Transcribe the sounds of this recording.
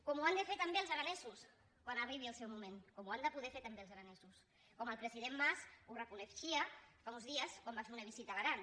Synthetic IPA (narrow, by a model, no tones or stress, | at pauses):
kɔmuand̪əfeɾt̪ambeəlzaɾanɛzus | kwanariβiəlˠsɛwmumẽnkɔmuand̪əpuðɛfeɾt̪ambeəlˠzaɾanɛzus | kɔməlˠpɾəziðemːasurəpunefʃiafaunzðiəskwambat͡ʃfeunəβ̞izit̪aβaɾan